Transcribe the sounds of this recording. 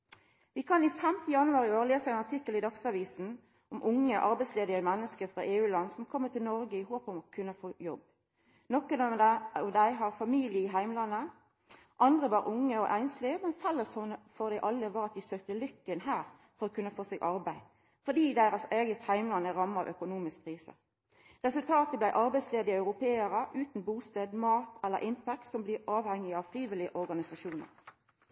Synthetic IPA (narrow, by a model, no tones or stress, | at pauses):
ʋɪkʰɑnifɛmt̪əjɑnʉɑːʁɪoːɾleːsəæɪnɑʈ̪ʰɪkːəlɪd̪ɑksɑʋiːsn̩ | ʔɔmʔʊŋːəʔɑɾbæɪtsleːd̪ɪəmɛnːəskəɾfʁɑʔeːʉːlɑnːsɔmkʰɔmːət̪ʰɪlnɔɾɡəɪhoːpɔmɔkʰʉnːəfoːjɔb | nɔkːənɔʋd̪æɪɦɑʁfɑmiːlɪəɪɦæɪmlɑnːə | ʔɑnd̪ʁəʋɑːʁʔʊŋːəɔʔæɪnslimɛnfɛlːəsɔəfɔʁd̪æɪʔɑlːəʋɑːʁɑt̪̚d̪ɪsøːk̚t̪əlʏkːənɦæːʁ | fɔʁɔkʰʉnːəfoːseːɡʔɑɾbæɪ | fɔd̪iːd̪æɪɾəseːɡət̪hæɪmlɑnəɾɑməɑ̰ʋʔœkʊnuːmɪskkʰːʁiːsə̰ | ʁɛsʉlt̪ʰɑːt̪əblæɪʔɑɾbæɪsleːd̪ɪəɑʉɾʊpʰeːəɾəʔʉːt̪n̩buːst̪eːd̪mɑːt̪ʰɛlːə̰ɾʔɪnt̪ʰɛk̚t̪sɔmbliːʁʔɑːʋhɛŋːɪɑʋfɾiːʋɪlɪəʔɔʁɡɑnɪsɑʃuːnə̰ʁ